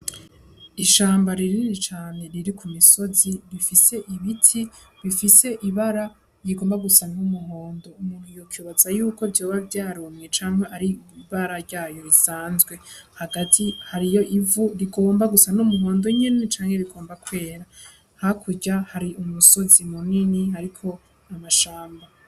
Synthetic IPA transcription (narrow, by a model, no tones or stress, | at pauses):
iʃaːmbaɾiɾiɾit͡ʃaːne̞ɾiɾikʰumiso̞ziɾifise̞ʔiβitʰiβifise̞ʔiβaɾa | jiɡo̞ːmbaɡusanumuɦoːndo̞umuːn̥huijokjuːβat͡sajuːko̞vjoːβavjaːɾumŋet͡ʃaːŋ̥he̞ʔaɾiβaɾaɾɟaːjo̞ɾisaːnzɡwe̞haɡatʰihaɾijo̞ʔivuɾiɡo̞ːmbaɡusan̥umuɦo̞ːndo̞ɲe̞ne̞t͡ʃaːŋhe̞ɾiɡo̞ːmbakwe̞ːɾa | hakʰuɟahaɾiʔumuso̞zimuninihaɾikʰo̞ | amaʃaːmba